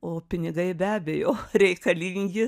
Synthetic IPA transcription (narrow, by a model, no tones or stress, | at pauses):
oːpʲɪnʲɪɡɐɪbʲæːbʲejoːɾʲɛɪkɐlʲiŋʲɡʲɪ